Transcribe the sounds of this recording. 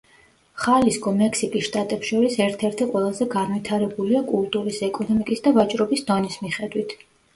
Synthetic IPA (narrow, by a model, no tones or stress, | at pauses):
χalisɡɔmɛksikʼisʃt̪ʼat̪ʼɛpʃɔɾisɛɾt̪ʰɛɾt̪ʰiqʼwɛlˠazɛɡanvit̪ʰaɾɛbuliakʼulˠt̪ʼuɾisɛkʼɔnɔmikʼisd̪avat͡ʃʼɾɔbisd̪ɔnismiχɛd̪wit̪ʰ